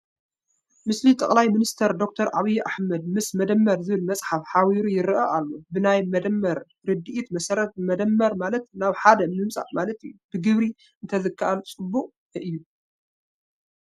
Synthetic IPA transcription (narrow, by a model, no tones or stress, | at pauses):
mɨslit̪ʼɐ̰χʼlajminist̪ʰɐɾd̪o̞k̚t̪ʰɐɾʔaβijʔa̰ħmɐd̪̚mɨsmɐd̪ɐmːɐɾzɨβɨlmɐt͡sʼħafħawiɾujɪɾʔɐʔalːobɨnajmɐd̪ɐmːɐɾ | ɾɨd̪ɨʔit̪mɐsɐɾɐt̪mɐd̪ɐmːɐɾmalɐt̪naβħad̪ɐmɨmsʼa̰ʔmalɐt̪ɨjːubɨɡɨβɾi | ɨnt̪ʰɐzɨkʰːaʔalt͡sʼɨbːuqʼ | ʔɨjːu